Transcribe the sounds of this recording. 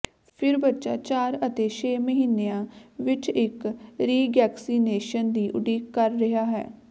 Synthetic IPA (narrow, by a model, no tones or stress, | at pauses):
pʰɪɾbətːʃaːt͡ʃaːɾət̪eːʃeːməɦiːnːeãːʋɪt͡ʃɪkɾiːɡɛːksiːneːʃənd̪iːʔʊ̰ɖiːkːəɾːɪɦaːɦɛ̰ː